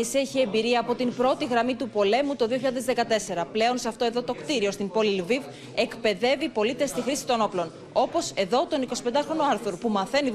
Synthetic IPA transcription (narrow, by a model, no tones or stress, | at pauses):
isieçie̞mbiɾiɐːpo̞t̪impɾo̞t̪iɣɾɐmit̪upo̞le̞mut̪o̞ðioçiʎaðe̞zðekɐt̪e̞se̞ɾɐple̞o̞nseɐft̪o̞eðo̞t̪o̞kt̪iɾio̞st̪impo̞lilviv | e̞kpe̞ðe̞vipo̞lit̪e̞st̪ixɾisi̥t̪o̞no̞plo̞n | o̞po̞se̞ðo̞t̪o̞niko̞sipend̪ɐxɾo̞noɐɾθuɾpumɐθe̞ni